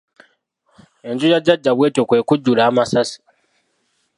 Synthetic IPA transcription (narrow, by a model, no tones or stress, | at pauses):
e̞ɲd͡ʒujaɟːaɟːaβweːtokwe̞ːkuɟːulaːmasasi̥